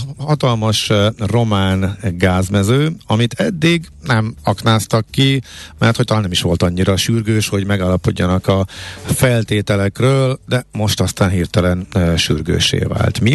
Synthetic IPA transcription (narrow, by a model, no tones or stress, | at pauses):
hɒt̪ɒlmɒʃro̞maːnɡaːzmɛzøːɒmit̪ʰɛd̪ːiɡ | nɛmɒknaːst̪ɒkːimɛrt̪hoct̪ɔlaːnɛmiʃʋo̞lt̪ɒɲːiɾɒʃyrɡøːʃho̞ɟmɛɡaːlːɒpo̞̰ɟːɒnɒkɒfɛlt̪eːt̪ɛlɛkrøːld̪ɛmo̞ʃt̪ɒst̪aːnɦirt̪ɛlɛnʃyrɡø̰ːʃḛːva̰ːlt̪mi